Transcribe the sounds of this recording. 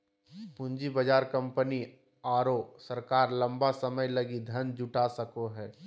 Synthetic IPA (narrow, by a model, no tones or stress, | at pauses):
pʊ̃ɲd͡ʒibəd͡ʒaːɾkə̃mpəni | aːɾosəɾkaːɾlɐ̃mbasəməjlɐɡid̪ʱənd͡ʒʊʈasəkoɦɛː